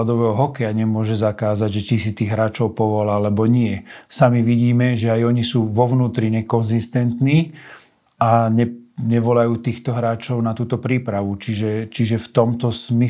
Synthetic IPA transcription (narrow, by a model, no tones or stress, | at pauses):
d̪ɔʋɛːɦɔɦɔkɛjaɲɛmʊɔʒɛzakaːzaɟʒɛt͡ʃisit̪iːɣɦɾaːt͡ʃɔʊpɔʋɔlalɛbɔɲɪɛsamiʋiɟiːmɛʒɛajɔɲisuːʋɔʋnuːt̪ɾiɲɛkɔnzist̪ɛnt̪niː | aɲɛɲɛʋɔlajuːt̪iːxt̪ɔɦɾaːt͡ʃɔʊnat̪uːt̪ɔpɾiːpɾaʋut͡ʃiʒɛt͡ʃiʒɛft̪ɔmt̪ɔsmi